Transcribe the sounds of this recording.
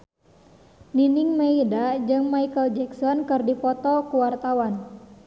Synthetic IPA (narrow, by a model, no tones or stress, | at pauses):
ninɪŋmeidad͡ʒɨŋmaikəld͡ʒɛksɔnkɨrdipɔt̪ɔkuwart̪awan